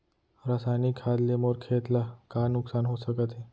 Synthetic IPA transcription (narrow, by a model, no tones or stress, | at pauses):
ɾasajnikʰad̪lemoɾkʰet̪lakanuksanɦosəkət̪e